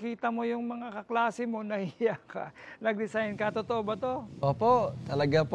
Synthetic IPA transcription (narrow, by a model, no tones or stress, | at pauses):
kiːt̪ɐmo̞jʊŋmɐŋakɐklaːsɪmo̞nɐhɪjaka̰nɐɡ̚d̪ɪsajnkɐt̪ot̪oʔobɐt̪o̞ʔoːpoʔt̪ɐlɐɡap